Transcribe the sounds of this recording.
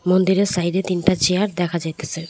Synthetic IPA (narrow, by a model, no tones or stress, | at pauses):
mond̪iɾeɾsajɾet̪inʈat͡ɕejaɾd̪ɛkʰad͡ʑajt̪esʰe